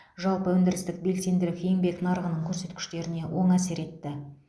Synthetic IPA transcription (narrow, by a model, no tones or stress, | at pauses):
ʒɑlˠpəwɵnd̪ɪɾɪst̪ɪk̚be̞lse̞nd̪ɪlɪkʲejŋbe̞knɑɾʁənəɴkʲʰɵɾse̞t̪kʲɪ̥ʃt̪e̞ɾɪne̞wʔo̞ɴæse̞ɾe̞t̪ːɪ